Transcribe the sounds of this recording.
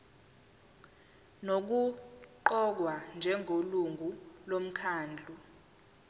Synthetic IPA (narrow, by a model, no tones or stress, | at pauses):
nok̬uǃɔk̬wand͡ʒʱɛŋʱoluŋɡʱulom̩kʰaːnd͡ɮʱu